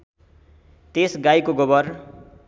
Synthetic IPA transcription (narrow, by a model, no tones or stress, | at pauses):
t̪esɡajkoɡobʌr